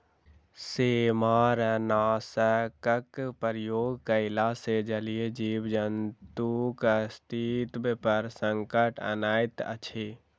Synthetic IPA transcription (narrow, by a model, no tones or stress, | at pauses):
seːmaɾənaːsəkəkpəɾjoːɡkəɪlased͡ʒəlied͡ʒiːbd͡ʒənt̪ukəst̪ʰit̪bepəɾsəŋkəʈʰə̰naːjt̪ə̰t͡ʃʰe